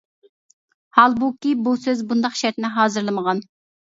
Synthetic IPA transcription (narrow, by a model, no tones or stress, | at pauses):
hɑlˠbukʲibusøzbund̪ɑχʃɛɾt̪nɪɦɑːzɨɾlˠɨməʁɑn